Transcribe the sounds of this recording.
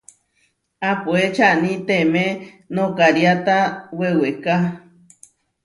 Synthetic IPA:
apuet͡ʃaʔnĩt̪emẽ | nõkaɾjat̪aweweka

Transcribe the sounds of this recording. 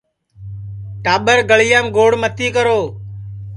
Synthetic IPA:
ʈaːɓəɾɡəɭɪjaːmɡoːɽmət̪iːkəɾoː

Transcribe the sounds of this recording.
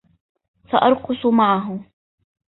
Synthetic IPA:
faʔɑɾˤqʊsˤmaʕaɦʊ

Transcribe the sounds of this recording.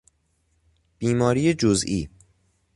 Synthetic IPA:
b̥iːmɒːɾijed͡ʒozʔiː

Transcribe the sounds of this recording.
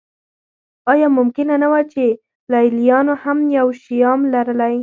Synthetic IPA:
ɑjɑmʊmkɪnanawat͡ʃe | lɑjlijɑnohamjawʃijɑmlaɾəlaj

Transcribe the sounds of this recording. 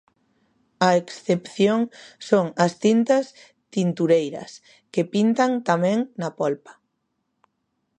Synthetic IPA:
ɐeksθepθjoŋsoŋɐst̪int̪ɐs | t̪int̪uɾejɾɐ̰s | kepint̪aŋt̪amɛ̃ŋnɐpɔlpɐ̥

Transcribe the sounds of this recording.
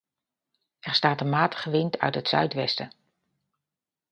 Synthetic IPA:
ɛrstaːtənmaːtə̥χəʋɪntʰœ̰ɥtɦətsœ̰ɥtʋɛstə

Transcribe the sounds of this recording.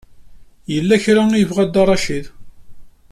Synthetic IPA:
jəlːæçɾajəvʁæd̪ːɑrˤːɑʃið

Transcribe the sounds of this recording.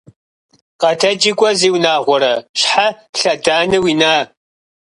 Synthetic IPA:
qɐtʰɐd͡ʒɪɡʷʼɔziːwnaːʁʷɔɾɐɕħa | ɬɐdaːnɨwiːnaː

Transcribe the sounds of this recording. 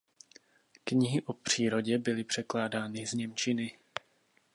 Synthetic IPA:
kɲɪɦɪʔopr̝̥iːɾo̞ɟɛbɪlɪpr̝̥ɛklaːdaːnɪzɲɛmt͡ʃɪnɪ

